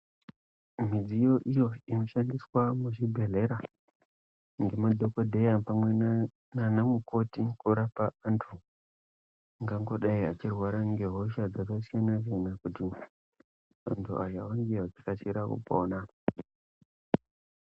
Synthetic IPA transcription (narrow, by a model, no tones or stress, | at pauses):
mid͡zijo̞ʔijo̞ino̞ʃandiswamuʐibʱe̞le̞ɾa | ŋɡe̞mad̪ʱokodʱejapamwe | nanamuko̞tikuɾapaːntʰu | ŋɡaŋɡo̞ɗaiat͡ʃirwaɾaŋɡe̞ɦo̞ʃad͡zakas̬ijanaʐenakuti | a̰ntʰuajaoŋɡiad͡zikat͡ʃiɾakṵpoona